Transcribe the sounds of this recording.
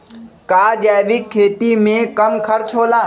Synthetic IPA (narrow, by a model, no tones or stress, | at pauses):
kaːd͡ʒaːʋɪkʰːeːt̪imẽkəmkʰɐɾt͡ʃʰɦoːlaː